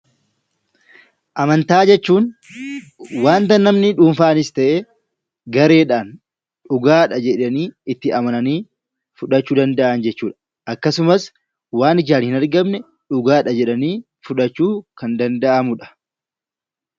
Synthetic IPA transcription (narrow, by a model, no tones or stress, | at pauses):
ʔɐmɐnt̪aːd͡ʒɛt͡ʃːuːn | waːnt̪ɐnːɐmnɪᶑuːnfaːɐnɪst̪ɐʔeː | ɡɐɾe̞ːᶑaːn | ᶑʊɡaːᶑɐd͡ʒɛᶑɐniːɪt̪ːɪʔɐmɐnɐniː | fʊᶑɐt͡ʃːuːd̪ɐnd̪ɐʔɐnd͡ʒɛt͡ʃːuːᶑɐ̥ | ʔɐkːɐsʊmɐs | waːnɪd͡ʒaːnhɪnɐɾɡɐmnɛ | ᶑʊɡaːᶑɐd͡ʒɛᶑɐniː | fʊᶑɐt͡ʃːuːkɐnd̪ɐnd̪ɐʔɐmʊᶑɐ̥